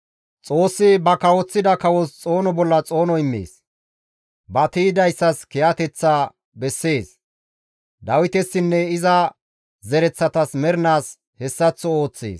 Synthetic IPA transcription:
t͡sʼo̞ːsːɪbɐkɐwɔt͡sːɪd̪ɐkɐwɔst͡sʼo̞ːnɔbɔlːɐt͡sʼo̞ːnɔɪmːḛːs | bɐt̪iːd̪ɐjsːɐskɛjat̪ɛt͡sːa | bɛsːe̞ːs | d̪ɐwɪt̪ɛsːɪnːɛɪzɐ | zɛɾɛt͡sːɐt̪ɐsmɛɾɪnaːs | hɛsːɐt͡sːɔoːt͡sːḛːs

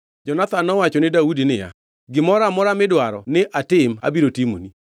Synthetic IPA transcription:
d͡ʒɔnat̪anːɔwat͡ʃɔnɪdaudinɪja̰ | ɡɪmɔɾamɔɾamɪdwaɾɔ̰nɪʔatɪma̰biɾotimo̰ni

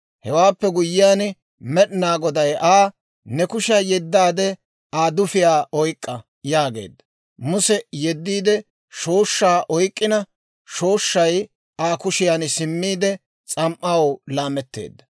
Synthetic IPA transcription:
hɛwaːpːɛɡʊjːɪjaːn | mɛɗnaːɡɔd̪ɐjʔaː | nɛkʊʃɐjɛd̪ːaːd̪ɛ | aːd̪ʊfɪjaːʔɔjkʼːɐ | jaːɡe̞̰ːd̪ːɐ | mʊsɛjɛd̪ːiːd̪ɛ | ʃo̞ːʃːaːʔɔjkʼːɪnɐ | ʃo̞ːʃːɐj | ʔaːkʊʃɪjaːnsɪmːiːd̪ɛ | t͡sʼɐmʔːɐwlaːmɛt̪ːḛːd̪ːɐ

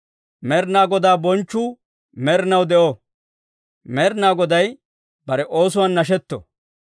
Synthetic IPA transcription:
mɛɾnaːɡɔd̪aːbɔnt͡ʃːuː | mɛɾnɐwd̪ɛʔo | mɛːɾnaːɡɔd̪ɐj | bɐɾɛʔo̞ːs̬ʊwanːɐʃ̬ɛt̪ːɔ̰

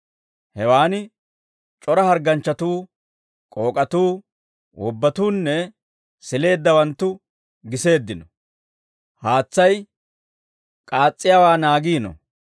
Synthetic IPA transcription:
hɛwaːnɪ | t͡ʃʼɔɾɐhɐɾɡɐnt͡ʃːɐt̪uː | kʼo̞ːkʼɐt̪uː | wʔɔbːɐt̪uːnːɛ | sɪle̞ːd̪ːɐwɐnt̪ːʊ | ɡɪse̞ːd̪ːɪnɔ | haːt͡sːɐj | kʼaːt͡sʼːɪjawaːnaːɡiːnɔ̰

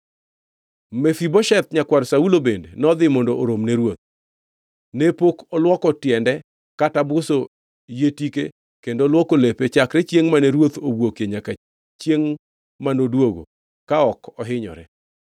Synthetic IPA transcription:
mefibɔʃɛt̪̚ɲakwaɾsaulobendenɔd̪ɪmɔndoʔoɾomneɾwot̪̚ | nepokɔlwɔkɔtjɛndɛ | katabʊso | jetike | kendolwɔkolepet͡ʃakɾɛt͡ʃjeŋmanɛɾwot̪obwokjeɲaka | t͡ʃjeŋ | manodwoɡo̰ | kaɔkɔɦɪɲɔ̰ɾɛ

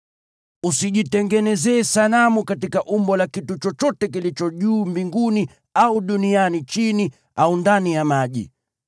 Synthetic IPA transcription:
usiʄitɛŋɡɛnɛzɛːsalamukatikaʔumbɔlakitut͡ʃɔt͡ʃɔtɛk̬ilit͡ʃɔʄuːmbiŋɡuni | auɗunianit͡ʃini | aundanijamaʄḭ

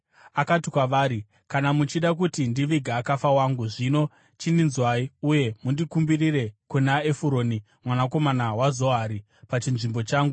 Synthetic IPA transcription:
akatikwaʋaːɾi | kanamut͡ʃiɗak̬utindiʋiɡʱaːkafawaŋɡuʐino̞ | t͡ʃindinzwaiuje̞mundikumbirire̞kunaefuɾo̞ːni | mwanako̞manawazo̞ɦaɾi | pat͡ʃinʐimbo̞t͡ʃaːŋɡu

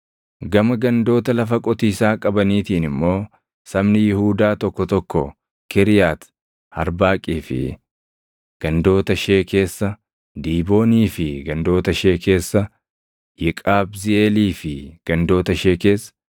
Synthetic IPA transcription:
ɡɐmɐɡɐnd̪o̞ːt̪ɐlɐfɐkʼɔt̪iːsaːkʼɐbɐniːt̪iːnɪmːo̞ː | sɐmnɪjɪhuːd̪aːt̪ɔkːɔt̪ɔkːɔ | kʰɛɾɪjaːt̪ | hɐɾbaːkʼiːfɪ̰ | ɡ̥ɐnd̪o̞ːt̪ɐʃe̞ːke̞ːsːɐ | d̪iːbo̞ːniːfɪɡɐnd̪o̞ːt̪ɐʃe̞ːke̞ːsːɐ | jɪkʼaːbzɪeːliːfɪɡ̥ɐnd̪o̞ːt̪ɐʃeːke̞ːsː

